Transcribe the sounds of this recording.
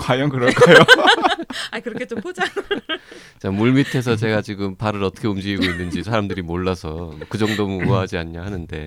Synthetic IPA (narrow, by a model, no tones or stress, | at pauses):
kwajʌŋkɯɾʌk͈ʰajo | aikɯɾʌkʰet͡ɕ͈ompod͡ʑa | t͡ɕamuɭmitʰe̞s̬ʰʌt͡ɕe̞ɡat͡ɕiɡɯmpaɾɯɾʌtʰʌ̥kʰeumd͡ʑiɡiɡoinːɯnd͡ʑisʰaɾamdɯɾimoɭːasʰʌmʌkɯd͡ʑʌŋdomumoɦad͡ʑiaɲɲaɦanɯnde̞̰